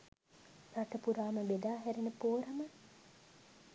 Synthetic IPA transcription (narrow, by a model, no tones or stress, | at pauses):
raʈəpuɾaːməʋed̪aːɦæɾenəpoːɾɐmə